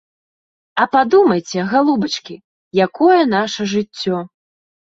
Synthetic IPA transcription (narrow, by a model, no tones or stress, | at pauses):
ɐpad̪umɐjt͡sʲɛɣalˠubɐt͡ʂkʲi | jakɔjɛn̪aʂɐʐɨt͡sʲːɔ